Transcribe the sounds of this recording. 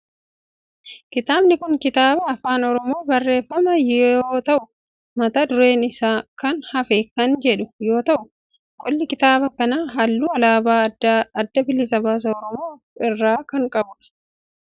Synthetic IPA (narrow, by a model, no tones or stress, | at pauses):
kɪt̪aːbnɪkʊŋkɪt̪aːbɐːfaːnɔɾɔmo̞ːbɐrːe̞ːfːɐmɐjoːt̪ɐʔʊ | mɐt̪ɐd̪ʊɾe̞ːnɪsaːkɐnhɐfɛkːɐnd͡ʒɛᶑʊjo̞ːt̪ɐʔʊ | kʼɔlːɪkɪt̪aːbɐkɐnaːɦɐlːuːɐlaːbaːdɐd̪ːɐbɪlːɪsɐbaːs̬ɐɔɾɔmoː | ɪrːaːkɐŋkʼɐbʊᶑɐ̥